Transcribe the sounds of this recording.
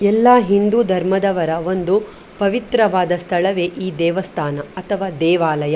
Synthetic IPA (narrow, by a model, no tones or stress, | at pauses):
ɛlːaːɦind̪uːd̪ʱɐɾmɐd̪ɐʋɐɾɐʋo̞nd̪u | pɐʋit̪ɾɐʋaːd̪ɐst̪ʰɐɭɐʋeːʔiːd̪ɛːʋɐst̪ʰaːnɐɐt̪ʰɐʋaːd̪ɛːʋaːlɐjɐ